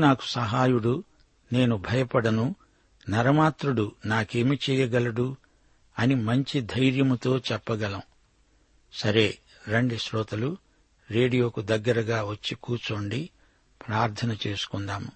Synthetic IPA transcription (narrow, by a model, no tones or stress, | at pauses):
naːku̥sɐɦaːjuɽu | ne̞ːnubʱɐjɐpɐɽɐnu | nɐɾɐmaːt̪ɾuɽunaːkeːmit͡ʃɛːjɐɡɐlɐɽu | ɐnimɐɲt͡ʃid̪ʱɐjɾjɐmut̪o̞ːt͡ʃɛpːɐɡɐlɐm | sɐɾe̞ː | ɾeɳɖiʃɾɔːt̪ɐlu | ɾeːɖijo̞ːkud̪ɐɡːɐɾɐɡaːʋɐt͡ʃːikuːt͡ʃo̞ːɳɖi | pɾaːɾt̪ʰɐnɐt͡ʃeːsu̥kunɖ̪aːmu